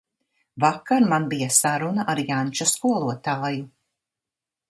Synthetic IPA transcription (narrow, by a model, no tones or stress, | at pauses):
vakːaɾmanbijasaɾunaʔaɾjant͡ʃɔskuɔlˠuɔt̪aːju